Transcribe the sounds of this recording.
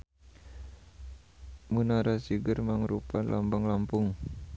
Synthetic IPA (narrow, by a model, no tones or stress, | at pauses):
munaɾasiɡərmaŋɾupanlʔa̰mbaŋlampʊŋ